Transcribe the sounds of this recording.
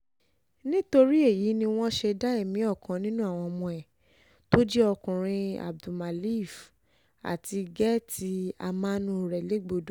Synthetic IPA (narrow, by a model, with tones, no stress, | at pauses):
nĩ˦to˧ɾi˦e˦˨ji˨˦nĩ˧w̃ɔ̃˦ʃe˧da˦e˦˨mĩ˨˦ɔ˦˨kã˨nĩ˦nũ˦a˦˨w̃ɔ̃˧ɔ˧mɔ̃˧ɛ˨ | to˦d͡ʒɛ˦ɔ˧kũ˨ɾ̃ĩ˧a̰˨b̚du˨ma˨li˦˨f | a̰˨ti˧ɡɛ˦ti˧˦a̰˧mã˦nũ˦˨ɾɛ˨le˨˦ɡ͡bo˧˨do˨